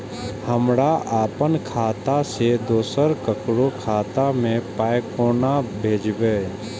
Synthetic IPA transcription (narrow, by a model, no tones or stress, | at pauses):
həmɽaʔaːpənkʰaːt̪ased̪oːsəɾkəkɽokʰaːt̪amẽpaːjkoːnabʱeːd͡ʒbeː